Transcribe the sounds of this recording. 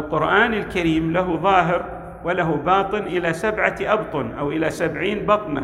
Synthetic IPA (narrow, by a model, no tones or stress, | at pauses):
lqʊɾʔaːnɪlkaɾiːmlaɦuðˤɑːɦɪɾ | wɪlaɦubɑːt̪ˤɨnʔɪlasabʕaʔɑbt̪ˤʊnʔawʔɪlasabʕiːnbɑt̪ˤna̰